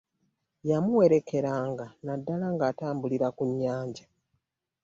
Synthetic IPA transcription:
jamuwe̞ɾe̞kʰe̞ɾaːŋɡanadːalaŋɡaːtaːmbuliɾakuɲːaːɲɟa

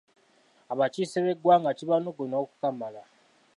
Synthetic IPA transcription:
aβaciːseβeɡwaːŋɡaciβanoɡonoːku̥kamala

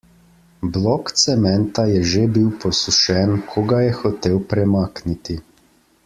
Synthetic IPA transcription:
blɔkt̪sɛmɛnt̪ajɛʒebiwpɔsuʃɛnkʰɔɡajɛxɔt̪ewpɾɛmaːknit̪i

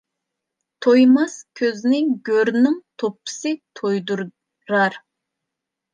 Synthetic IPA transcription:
t̪ʰojmɑskʲʰøznɪɡʲøɾnɪŋt̪ʰopʰːɨ̥sɨt̪ʰojd̪uɾ | ɾɑɾ

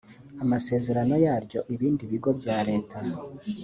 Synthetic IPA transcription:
amase̞ːze̞ɾano̞jaːɾɟo̞ʔiβiːndiβiɡo̞bjaːɾe̞ːtʰa

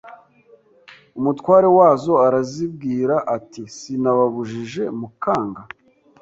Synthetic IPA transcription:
umutkwaːɾewaːzo̞aɾazib̚ɡiːɾaʔatisinaβaβuʒiʒe̞mukaːŋɡa

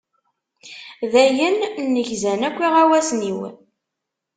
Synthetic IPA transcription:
ðæjənnːəʝzænækʷːiʁæwæsniwə̰n

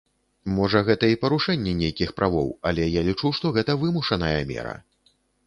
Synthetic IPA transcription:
mɔʐɐɣɛt̪ɐipɐɾuʂɛnʲːɛnʲejkʲixpɾʔavɔ̰wɐlʲɛjalʲit͡ʂuʂt̪ɔɣɛt̪ɐvɨmuʂɐnɐjɐmʲɛ̰ɾɐ̰

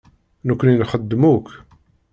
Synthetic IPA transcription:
nukʷːənjənχəd̪ːmuk

